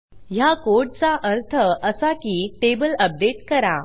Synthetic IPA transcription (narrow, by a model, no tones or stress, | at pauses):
ɦjakoɾʈ̚t͡saʔəɾt̪ʰəəsakiːʈebələp̚ɖeʈkəɾa